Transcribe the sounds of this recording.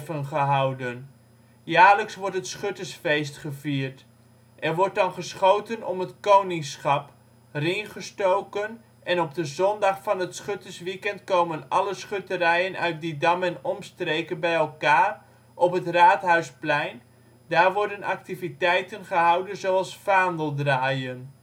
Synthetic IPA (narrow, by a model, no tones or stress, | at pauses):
vənχəɦɑwdən | jaːləksʋɔɹtɦətsχøtəsfejstχəviːrt | ʔɛrʋɔɹt̚dɑnχəsχowtənɔ̰mɦətkownɪŋsχɑp | rɪŋχəstowkən | ʔɛnɔp̚dəzɔndɑχfɑnɦətsχøtəsʋikɛntkowmənɑ̰ləsχøtərɛjənʔœ̰ɥt̚didɑmənɔmstrejkənbɛjɛlˠkaːr | ʔɔpɦətraːtɦœɥsplɛjn | daːrʋɔɹdənʔɑ̰k̚tivitɛjtənχəɦɑwdənzowɑlˠsfaːndəlˠdraːjən